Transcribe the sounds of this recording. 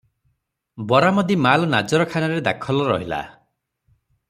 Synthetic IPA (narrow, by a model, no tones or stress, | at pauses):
bɔɾamɔd̪imalɔnad͡ʒɔɾɔkʰanɔɾed̪akʰɔlɔɾɔɦila̰